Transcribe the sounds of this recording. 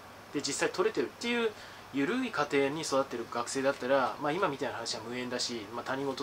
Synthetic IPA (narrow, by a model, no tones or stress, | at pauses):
d̪̥e̞d͡ʑisːait̪ʰo̞ɾe̞t̪e̞ɾɯ̟t̪ːe̞jɯ̟ː | jɯ̟ɾɯ̟ikat̪e̞ːɲ̟iso̞d̪at̪ːe̞ɾɯ̟ɡakɯ̟̥se̞ːd̪at̪ːaɾamaːimamʲit̪ainahanaɕiɡamɯ̟ẽ̞nd̪aɕimat̪aɲ̟iŋo̞t̪o